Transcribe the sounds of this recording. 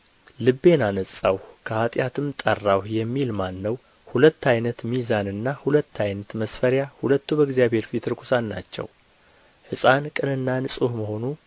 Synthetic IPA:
lɨbːe̞nanəsʼawkʰəhat̪ʼjat̪ʰɨmt̪ʼərːawjɛmːilmanːəw | hulət̪ːajnət̪mizanɨnːahulət̪ːajnət̪məsfəɾjahulət̪ːubəɡzijaβhe̞ɾfit̪ʰɨɾkʰusanːa̰t͡ʃːɛ̰w | hɨsʼankʼɨnɨnːanɨsʼuhməho̞nu

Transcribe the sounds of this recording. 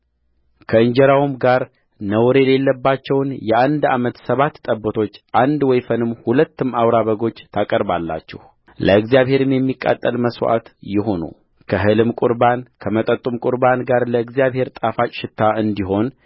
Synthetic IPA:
kʰəɨɲd͡ʒɛɾawumɡaɾ | nəwɾe̞le̞lːəbːat͡ʃːɛwnjɛʔand̪amət̪səβat̪ːʼəbːət̪ʰo̞t͡ʃːʔand̪wɔjfənɨmhulət̪ːɨmawɾaβəɡo̞t͡ʃːt̪ʰakʼəɾbalːa̰t͡ʃːɛ̰h | lʔəɨɡzjaβhe̞ɾɨmjɛmːikʼːa̰t̪ʼːəlməswʔa̰t̪jɪɦo̞nṵ | kʰəɦɨlɨmkʼuɾbankʰəmət̪ʼət̪ʼumkʼuɾbanɡaɾləɨɡzijaβhe̞ɾt̪ʼafat͡ʃʼʃɪt̪ʰːaɨnd̪iɦo̞n

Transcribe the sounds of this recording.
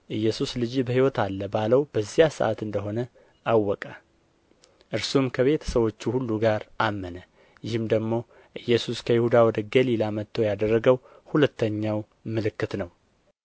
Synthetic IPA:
ʔɨjːɛsuslɨd͡ʒibəhiwɔt̪ʰalːəbaləwb̥əzːijasə̰ʔa̰t̪ɨnd̪əɦo̞nə | ʔawːɔkʼa | ʔɨɾsumkʰəβe̞t̪ʰə̥səwo̞t͡ʃːuhulːuɡaɾʔamːənə | jɪhɨmd̪əɡmo̞ | ʔɨjːɛsuskʰəjɪhud̪awɔd̪əɡəlilamət̪ʰːəjad̪ərːəɡəw | hulət̪ːəɲːaw | mɨlɨkːɨt̪nəw

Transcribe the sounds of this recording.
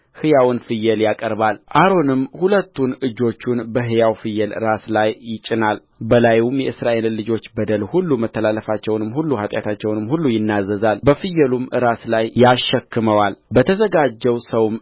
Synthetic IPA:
hɨjawnfɨjːɛljakʼəɾbalʔaɾo̞nɨmhulət̪ːunɨd͡ʒːo̞t͡ʃːunbəɦɨjawfɨjːɛlɨɾaslajːɪt͡ʃʼːɪnal | bəlajumjɛʔɨsɾaʔe̞lːɨd͡ʒo̞t͡ʃːbəd̪əlhulːumət̪ːəlalːəfat͡ʃːɛwnɨmhulːuhat̪ʼja̰t̪ʰat͡ʃːɛwnɨmhulːujɪnːazːəzalbəfɨjːɛlumɨɾaslajjaʃːɛkːɨməwalbət̪ʰəzəɡad͡ʒːɛwsəwm

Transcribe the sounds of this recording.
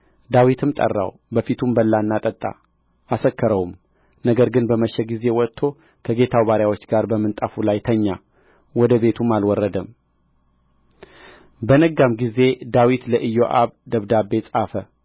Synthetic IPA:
d̪awit̪ʰɨmt̪ʼə̰rːa̰w | bəfit̪ʰumbəlːanːat̪ʼət̪ʼːa̰ | ʔasəkʰːəɾəwum | nəɡəɾɡɨnbəməʃɛɡize̞wɔt̪ʰːo̞ | kʰəɡe̞t̪ʰawβaɾjawot͡ʃːɡaɾbəmːɨnt̪ʼafulajt̪ʰəɲːa | wɔd̪əβe̞t̪ʰumalwɔrːəd̪əm | bənəɡamɡize̞d̪awit̪ləʔɨjːoʔaβd̪əβd̪abe̞t͡sʼafə

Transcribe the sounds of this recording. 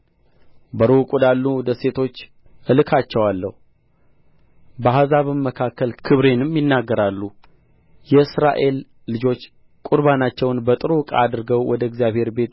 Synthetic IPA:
bəɾukʼud̪alːuwɔd̪əse̞t̪ʰo̞t͡ʃː | ʔɨlɨkʰat͡ʃːɛwalːə̰hu | bəhazaβɨmːəkʰakːəlkʰɨβɾe̞nɨmjɪnːaɡːəɾalːu | jɛɨsɾa̰ʔe̞lː | ɨd͡ʒo̞t͡ʃː | kʼuɾbanat͡ʃːɛwnbət̪ʼɨɾukʼa̰ad̪ɾɨɡəwwɔd̪əɪɡzjaβhe̞ɾbe̞t̪

